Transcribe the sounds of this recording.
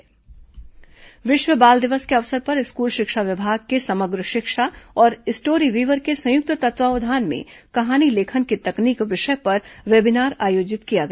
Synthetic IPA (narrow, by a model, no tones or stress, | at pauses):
ʋɪʃʋəbaːld̪ɪʋəskeɐʋsəɾpɐɾɪskuːlʃɪkʃaʋɪbʱaːɡkesɐməɡɾəʃɪkʃaɔːɾɪsʈoːɾiʋiːʋəɾkesɐ̃jʊk̚t̪ət̪ɐt̪ʋaːʋəd̪ʱaːnmḛ̃kɐɦaːnileːkʰənkit̪ɐkniːkʋɪʃəpɐɾʋeːbɪnaːɾaːjoːd͡ʒɪt̪kijaɡɐ